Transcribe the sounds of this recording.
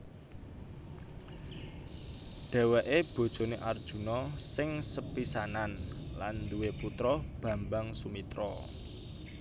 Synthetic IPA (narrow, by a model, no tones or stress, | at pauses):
ɖ̥ɛ̤wɛʔeb̥o̤d̥ʒ̥o̤neʔard̥ʒ̥ṳnɔsɪŋsəpisananland̪uweput̪ɾɔb̥ä̤mbaŋsumit̪ɾɔ